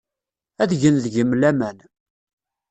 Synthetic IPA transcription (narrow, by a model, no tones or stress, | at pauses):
æðʝənðʝəmlæmæn